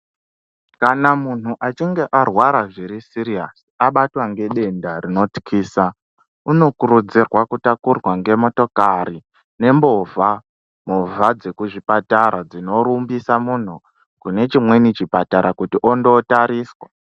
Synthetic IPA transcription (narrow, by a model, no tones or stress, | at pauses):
kanamun̤uʔat͡ʃiŋɡe̞ʔarwaɾaʐiɾisiɾiasi̥aɓatwaŋɡe̞ɗe̞ndarino̞ti̥kʰiːsa | uno̞kuɾud͡zirwakutakurwaŋɡe̞mo̞to̞kaɾi | ne̞mbo̞vʱa | movʱad͡ze̞kuʐipataɾad͡zino̞ɾumbisamun̤u | kune̞t͡ʃimwe̞nit͡ʃipataɾakutiʔo̞ndotaɾiːswa